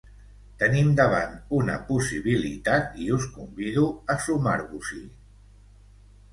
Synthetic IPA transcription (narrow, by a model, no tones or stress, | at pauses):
t̪ənimd̪əβ̞a̰nt̪unə̰pusiβ̞ilḭt̪at̪iuskumbiðuəsuma̰ɾβuzḭ